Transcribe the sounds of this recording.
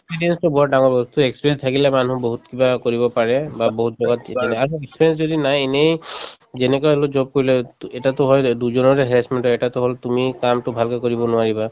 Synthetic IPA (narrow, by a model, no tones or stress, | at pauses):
esspiɹijɛnstʊbɔɔdaŋɔɹbɔst̪uekspiɹeɛnstʰakilɛmanuboɦutkibakoɹibɔpaɹɛbaboɦutzɔɡatanɛaɹuekspiɹɛns̬zodinajenej | zɛnɛkɔjlozɔb̚koɹilɛtɛtatʊɦɔjduzɔnɔɹɛɦɛɹasmɛntɔɛtatʊɦoltumikamtʊbʱalkɔkoɹibɔnʊaɹiba